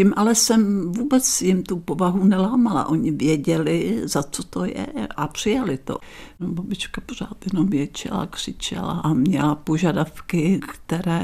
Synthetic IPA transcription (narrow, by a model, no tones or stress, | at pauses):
cimʔalɛsɛmvuːbɛt͡sjɪmt̪upovaɦunɛlaːmala̰ʔo̞ɲɪvjɛɟɛlɪzat͡sot̪o̞jɛ̰ʔapr̝̥ɪjalɪt̪o̰nobabɪt͡ʃkapor̝aːt̪jɛnomjɛt͡ʃɛ̰la̰kr̝̥ɪt͡ʃɛ̰la̰ʔamɲɛlapoʒadafkɪkt̪ɛɾɛː